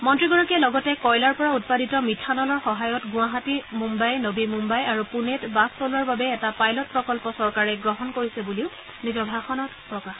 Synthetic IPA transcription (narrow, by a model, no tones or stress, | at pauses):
mɔntɹiɡɔɹɔkiɛlɔɡɔtɛkɔjlaɹpɔɹaut̚paditɔmitʰanɔlɔɹxɔɦajɔtɡũwaɦatimumbajnobimumbajaɹupunetbastɔlɔɹbabɛːtapajlɔt̚pɹɔkɔlpɔsɔɹkaɹɛɡɹɔɦɔnkoɹisɛbuliʊ | nizɔbʱaxɔnɔtpɹɔkax